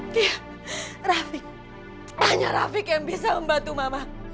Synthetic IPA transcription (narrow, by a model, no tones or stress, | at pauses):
ja | rafɪk̚ | maɲa̰ɾa̰fɪkjaŋbisaməmbat̪umama